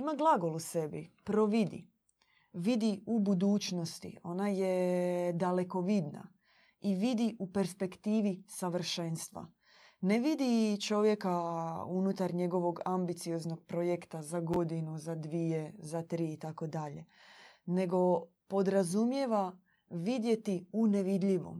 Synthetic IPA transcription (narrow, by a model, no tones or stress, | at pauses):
imaɡlˠaɡo̞luse̞bipɾoʋid̪ḭ | ʋid̪iubud̪uːt͡ʃno̞st̪ḭo̞najed̪ale̞ko̞ʋid̪na̰ | iʋid̪iʔupe̞ɾspe̞kt̪iːʋisaʋr̩ʃenst̪ʋa̰ | neʋid̪it͡ʃo̞ʋje̞kaunut̪aɾɲe̞ɡo̞ʋo̞ɡambit̪sio̞znoɡ̥̚pɾojekt̪azaɡo̞d̪inuzad̪ʋije̞zat̪ɾiːt̪ako̞d̪aʎe̞ | ne̞ɡo̞ | po̞d̪ɾazumje̞ʋa | ʋid̪je̞t̪iune̞ʋid̪ʎiʋo̞̰m